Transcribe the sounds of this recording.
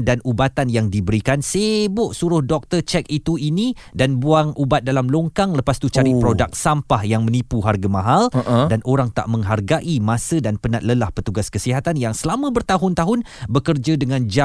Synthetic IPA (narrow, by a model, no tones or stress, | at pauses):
danubat̪anjaŋdibəɾikansebʊʔsuɾʊhdɔk̚t̪ərt͡ʃɛk̚it̪uini | danbuaŋʔubat̪̚dalamloŋkaŋləpast̪ut͡ʃaɾipɾodak̚sampahjaŋmə̃nipuɦarɡamãɦaldanʔoɾaŋt̪a̰ʔmə̃ŋɦarɡaʔimãsədanpənat̪̚ləlahpət̪uɡaskəsiɦat̪anjaŋsəlamə̃bərt̪aɦʊnt̪aɦʊn | bəkərd͡ʒadəŋãnd͡ʒa